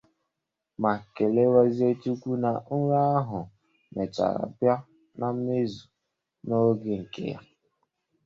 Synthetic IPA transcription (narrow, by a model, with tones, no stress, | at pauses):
ma˨ke˨le˦wa˦zi˦e˦tu˦kʷu˦na˨˦ɾa˦a˦ɦʊ˨ | me˨t͡ʃa̰˨ɾa̰˨pja˦ | na˨m̩˦me˦zu˨ | no˦ɡe˦ŋ̩˨kḛ˦ja̰˦